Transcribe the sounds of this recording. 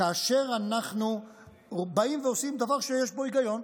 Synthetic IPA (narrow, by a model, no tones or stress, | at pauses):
aːʃeʁanaχnu | baimveosimd̪avaʁʃejeʃbo̞iɡajo̞n